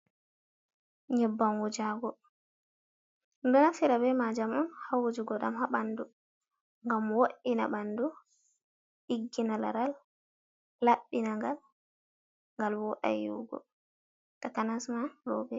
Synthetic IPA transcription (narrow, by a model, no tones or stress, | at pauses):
ɲɛbːanwud͡ʒaɡɔ | ndɔnafiɾabɛmad͡ʒamɔnhawud͡ʒuɡɔɗamhaɓandu | ŋɡamwoɗina̰ɓandu | ʔiɡːinala̰ɾalː | aɓːinaŋɡal | ŋɡalwɔʔa̰jṵɡɔ̰ | takanasmaɾɔbɛ